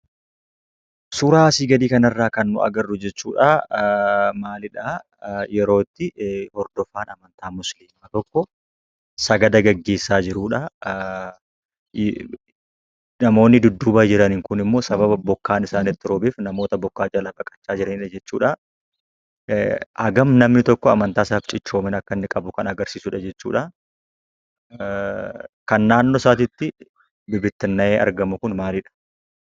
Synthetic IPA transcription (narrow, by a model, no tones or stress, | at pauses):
sʊɾaːsiːɡɐd̪iːkɐnɐrːaːkɐnːʊɐ̰ɡɐrːʊd͡ʒɛt͡ʃːṵːᶑɐ | maːlɪᶑaː | jɛɾo̞ːt̪ːɪhɔɾd̪ɔfaːnɐmɐnt̪aːmʊsliːmːɐt̪ɔkːɔ | sɐɡɐd̪ɐɡɐɡːe̞ːsːaːd͡ʒɪɾuːᶑɐ | nɐmo̞ːnːɪd̪ʊd̪ːʊbɐd͡ʒɪɾɐnɪŋkʊnɪmːo̞ːsɐbɐbɐbɔkːaːnɪsaːnɪt̪ːɪɾɔbɪfnɐmo̞ːt̪ɐbɔkːaːd͡ʒɐlɐbɐkʼɐ̥t͡ʃːaːd͡ʒɪɾɐnɪᶑɐd͡ʒɛt͡ʃːuːᶑɐ | ʔɐɡɐmnɐmnɪt̪ɔkːɔɐmɐnt̪aːsaːft͡ʃʼɪt͡ʃːo̞ːmɪnɐkːɐnːɪkʼɐbʊkɐnɐɡɐɾsiːsuᶑɐd͡ʒɛt͡ʃːuːᶑɐ | kɐnːaːnːosaːt̪̬ɪt̪ːɪ | bɪbɪt̪ːɪnːɐʔeːʔɐ̰ɾɡɐmʊkʊnmaːlɪᶑɐ̥